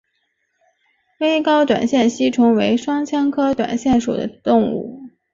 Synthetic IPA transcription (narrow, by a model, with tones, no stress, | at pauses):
we˥ɪkɑ˥ʊt̪wa̰˨˩nɕjɛ˥˩nɕi˥ʈ͡ʂʰʊ˧˥ŋwe˧˥ɪʂwɑ˥ŋt͡ɕʰjɑ˥ŋkʰɤ˥t̪wa̰˨˩nɕjɛ˥˩nʂṵ˨˩d̪ə˦t̪ʊ˥˧ŋṵ˥˩